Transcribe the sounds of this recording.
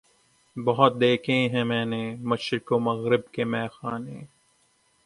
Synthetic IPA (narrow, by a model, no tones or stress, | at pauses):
bɐɦɔt̪̚d̪eːkʰẽɦɛ̃mɛːnemɐʃɾɪkoːmɐɣɾɪbkemɛːxaːneː